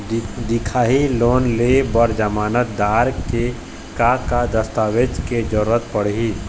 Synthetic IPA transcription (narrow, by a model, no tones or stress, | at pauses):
d̪ɪkʰaːɦiloːnlebəɾd͡ʒəmaːnət̪̚d̪aːɾke | kakad̪əst̪aːwed͡ʒked͡ʒəɾuɾət̪pəɽ̤i